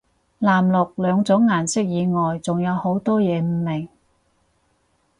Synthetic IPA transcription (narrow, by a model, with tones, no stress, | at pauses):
laː˨˩mlʊ˨k̚lœː˨˧ŋt͡sʊ˨˥ŋːaː˨˩nsɪ˥k̚jiː˨˧ŋɔː˨jt͡sʊ˨ŋjɐ˨˧who˨˥wt̪ɔː˥jɛː˨˧m̩˨˧mɪ˨˩ŋ